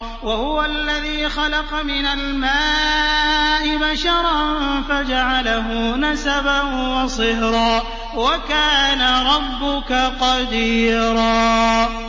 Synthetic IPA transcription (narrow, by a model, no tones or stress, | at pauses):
wahʊwaʔalːaðiːxɑlɑqɑmɪnalmaː | ʔɪbaʃɑɾˤɑnfad͡ʒaʕalaɦʊnasabanwɑsˤɨhɾɑː | wakaːnaɾˤɑbːʊkaqɑd̪iːɾɑː